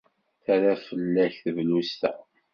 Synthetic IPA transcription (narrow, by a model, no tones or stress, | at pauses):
θæɾæfəlːæçθvlust̪æ̰